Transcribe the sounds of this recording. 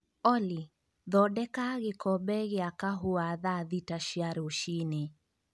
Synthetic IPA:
ɔli | ðɔɗɛkaɣikɔɓɛɣiakaɦuaðaðitaʃiaɾuʃine

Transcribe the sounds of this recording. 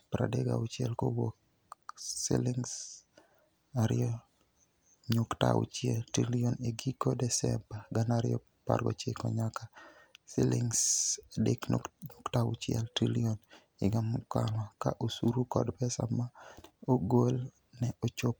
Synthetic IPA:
pɾa̰deɡa̰ut͡ʃjɛlkowok | sḭlɪŋs | aɾɪɔ | ɲʊkta̰ṵt͡ʃjɛltɾilioneɡikodɛsɛ̰mbaɡanaɾɪjɔ̰ | pa̰rɡɔ̰t͡ʃekɔ̰ɲakasɪlɪŋsadekɲʊktaṵt͡ʃɛ̰ltɾilion | ɪɡamka̰lakaʔosuɾukɔ̰dpɛsa̰maoɡol | nɛot͡ʃop̚

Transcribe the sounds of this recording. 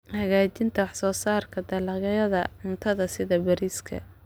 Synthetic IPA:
hɐɣaːt͡ʃɪnt̪ʰɐwɑħsɔːsaːrkʰɐd̪ɐlɑɣɐjɐðɐʕʊnt̪ʰɐðɐsɪðɐbɐɾiːskʰɐ̰

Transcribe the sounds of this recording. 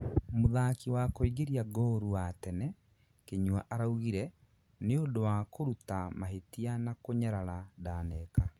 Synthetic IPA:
moðakiwakoiɡeɾiaɡɔɾuwatɛnɛ | keɲuaʔaɾauɣiɾɛ | neodowakoɾutamaɦetianakoɲaɾaɾadaːnɛka

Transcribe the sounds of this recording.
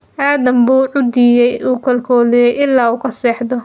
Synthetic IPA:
ʔaːd̪ɐmbuːʕʊd̪ijɛjuːkʰɐlkʰɔːlijɛjɪlːaːuːkʰɐsɛːħd̪ɔ

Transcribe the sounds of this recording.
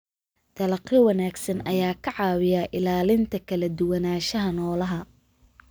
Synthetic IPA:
d̪̥ɐlɐqɪwɑnaːɡsɐnʔɐjaːkʰɐʕɑːwɪjaʔɪlaːlɪnt̪ʰɐkʰɐlɐd̪ʊwɐnaːʃɐɦɐnɔːlɐɦɐ

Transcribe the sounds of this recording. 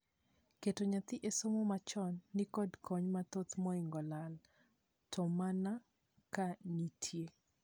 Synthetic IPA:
ketoɲat̪ɪʔesomomat͡ʃɔnːikɔdkʰɔɲmat̪ot̪mɔɪŋɡɔlal | tʰɔmana | kanitʰje

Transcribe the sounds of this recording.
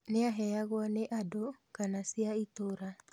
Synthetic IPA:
neaɦɛaɣwɔneʔadokanasiaitoɾa

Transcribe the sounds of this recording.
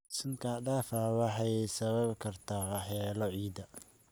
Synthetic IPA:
sɪŋkʰaːɖaːfɐwɑħɑjsɐβɐbkʰɐrt̪ʰaːwɑħɛːlɔʕiːd̪ɐ

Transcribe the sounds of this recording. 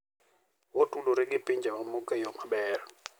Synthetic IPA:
wotʼuluɾik̬ʼɪpʼind͡ʒʱɛwamukʼɛjɔmaɓɛːrɔ

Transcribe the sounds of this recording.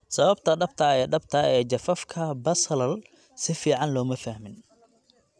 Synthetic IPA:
sɐβɐbt̪ʰɐɖɐbt̪ʰɐɛːɖɐbt̪ʰɐɛːd͡ʒɐfɐfkʰɐbɐsɐlɐl | sɪfiːʕɑnlɔːmɐfɐhmɪn

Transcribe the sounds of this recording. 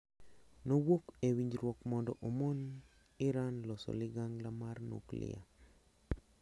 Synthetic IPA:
nowokewiɲd͡ʒɾwɔkmɔndɔʔomon | ɪɾanlɔsɔ̰lɪɡaŋɡlamarno̰klɪ̰ja̰

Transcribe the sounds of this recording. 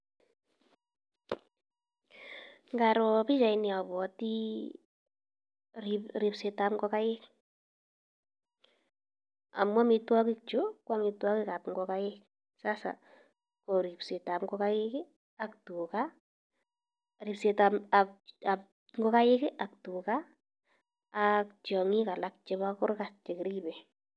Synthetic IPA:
ŋɡaɾɔpit͡ʃaɪniaβɔti | ɾipsetapɡɔkajɪk | a̰mwamɪtwakɪk̚t͡ʃokwamɪtwakɪkapŋɡɔkajɪk̚ | sasa̰ | kɔɾipsetamkɔkajɪkɪ | ak̚tuka | ripsetamaap | ŋɡɔkajɪkɪʔak̚tuka | k̚t͡ʃɔŋikalak̚t͡ʃɛbakʊrkast͡ʃɛkɾibɛ

